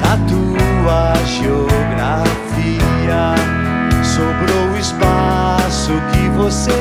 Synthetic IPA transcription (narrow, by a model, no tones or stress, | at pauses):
ɐt̪uɐʒeoɡɾaf | i | ɐ | sobɾoispa | sʊkɪvose